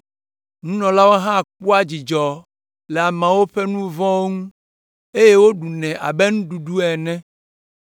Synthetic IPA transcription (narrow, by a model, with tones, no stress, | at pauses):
ŋũ˦nɔ̃˨la˦wo˦ɦã˦˨k͡pu˦a˦d͡ʑi˨d͡ʒɔ˨ | lɛ˨a˨mɛ̃˨wo˦ɸe˦nũ˦vɔ̃˦wo˦ŋũ˦ | e˦je˦wo˦ɖu˨nɛ̃˨ʔa̰˨be˦ŋũ˦ɖu˨ɖu˦ɛ˨nɛ̃˦